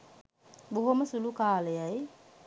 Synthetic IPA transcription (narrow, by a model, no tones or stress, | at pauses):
boɦoməsulukaːləjaj